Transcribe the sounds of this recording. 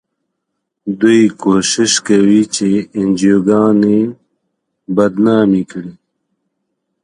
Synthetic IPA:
d̪ujkoʃɪʃkawit͡ʃeɪnd͡ʒijoɡɑːne | bɐd̪nɑːmikɽi

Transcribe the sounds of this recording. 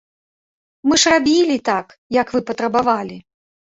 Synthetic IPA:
mɨʂrabʲilʲit̪ak | jɐkvɨpɐt̪ɾɐbavalʲi

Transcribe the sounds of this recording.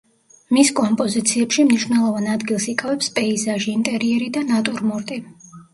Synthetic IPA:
miskʼɔmpʼɔzit̪sʰiɛpʃimniʃwnɛlˠɔvanad̪ɡilˠsikʼavɛpspʼɛizaʒiːnt̪ʼɛɾiɛɾid̪anat̪ʼuɾmuɾt̪ʼi

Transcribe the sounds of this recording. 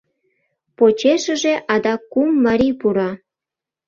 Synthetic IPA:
pot͡ɕeʃə̆ʒeʔɑd̪ɑkumːɑɾipuɾɑ

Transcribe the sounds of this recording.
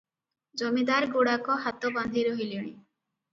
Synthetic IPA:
d͡ʒɔmid̪aɾɡuɽakɔɦat̪ɔband̪ʱiɾɔɦiliɽ̃i

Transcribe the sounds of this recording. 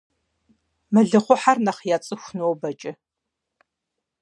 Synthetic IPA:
mɨɮɨχʷʊħarnɐχjat͡sʼɨxʷnowbɐt͡ʃʼɪ

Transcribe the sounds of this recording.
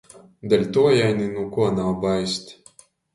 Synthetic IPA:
d̪ɛlʲt̪uɔjajninukuɔnawbajsʲt̪ʲ

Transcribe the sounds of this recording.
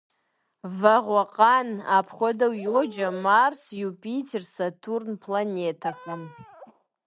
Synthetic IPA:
vaʁʷaqʼanapʰχʷadawjod͡ʒamarsjupʼitʰersatʰurnpʰlanʲetʰaχʷam

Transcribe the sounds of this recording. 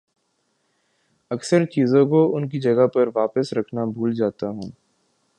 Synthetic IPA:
ɐksəɾt͡ʃiːzõkoʊnk̬id͡ʒɐɡapɐɾʋaːpəsɾɐkʰnabʱuːld͡ʒaːt̪aɦũː

